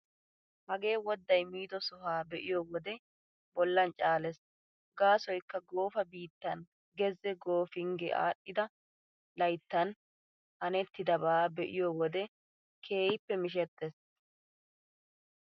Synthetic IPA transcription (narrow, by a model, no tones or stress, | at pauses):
hɐɡe̞ːwɔd̪ːɐjmiːd̪ɔsʊhaːbɛʔɪjowɔd̪ɛ | bɔlːɐnt͡ʃʼaːlɛs | ɡaːsɔjkːɐɡo̞ːfɐbiːt̪ːɐn | ɡɛzɛɡo̞ːfɪŋɡɛ̰ʔa̰ːɗːɪd̪ɐ | lɐjt̪ːɐn | hɐnɛt̪ːɪd̪ɐbaːbɛʔɪjowɔd̪ɛ | kʰe̞ːjɪpːɛmɪʃ̬ɛt̪ːɛs